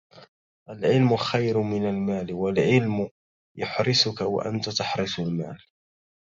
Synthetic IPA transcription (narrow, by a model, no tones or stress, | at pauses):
ʔalʕɪlmʊxajɾmɪnalmaːlɪwalʕɪlmʊ | jʊħɾɪsʊkawa̰ʔa̰nt̪at̪aħɾɪsʊlma̰ːl